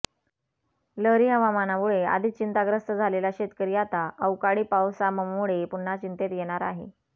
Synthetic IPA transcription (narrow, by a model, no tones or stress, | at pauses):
ləɾiːɦəʋamanamuɭea̰d̪ʱiːt͡ɕint̪aɡɾəst̪əd͡zʱalelaɕet̪kəɾijat̪aʔəwkaɽiːpawsaməmuɭepuɳːat͡ɕint̪et̪jeɽ̃aɾaɦḛ